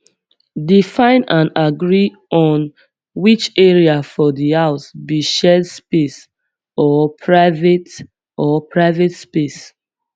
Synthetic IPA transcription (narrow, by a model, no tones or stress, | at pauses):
difãɪ̃nãnaɡɹi | ɔ̃n | wit͡ʃɛɹiafɔdihaʊsbiʃɛdspes | ɔpʰɹaɪvet | ɔpɹaɪvetspes